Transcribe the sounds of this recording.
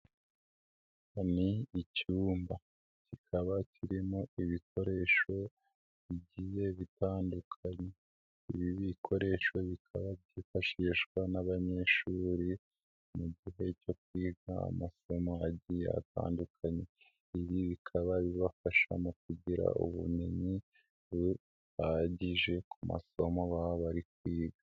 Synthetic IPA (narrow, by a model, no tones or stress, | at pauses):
aniːcuːmba | cikʰaβaciɾimo̞iβik̚ʰo̞ɾe̞ʃo̞ | βiɟije̞βitaːndukʰaɲe̞ | iβiβikʰo̞ɾe̞ʃo̞βikʰaβaβɟiːfaʃiʃkwanaβaɲe̞ʃuːɾi | muɟiɦe̞co̞k̚wiːɡaa̰maso̞mo̞aɟijea̰ta̰ːndukʰaɲe̞ | iβiβikʰaβaβiβafaʃa̰mok̚uɟiɾa̰ṵβṵneɲi | βu | haɟiʒe̞kʰuma̰so̞mo̞βaaβaɾikwiːɡa